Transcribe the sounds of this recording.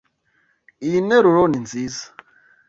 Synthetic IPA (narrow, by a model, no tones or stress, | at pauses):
inɛɾɔɾɔnind͡zizḁ